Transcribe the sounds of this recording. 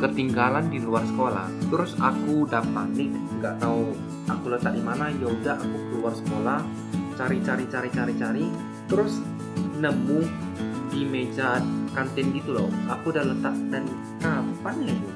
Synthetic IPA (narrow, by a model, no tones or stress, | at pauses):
kərt̪iŋɡalandiluarsə̥kola̰ht̪əɾʊsa̰kudapanɪkŋɡaʔt̪au | akulət̪aʔ̚dimanajoudaʔakukəluarsə̥kolah | t͡ʃaɾit͡ʃaɾit͡ʃaɾit͡ʃaɾit͡ʃaɾi | t̪əɾʊs | nəmʊdimed͡ʒakant̪ɪnɡit̪ulo̰ʔakudahlət̪aʔ̚dan | kampanɲaju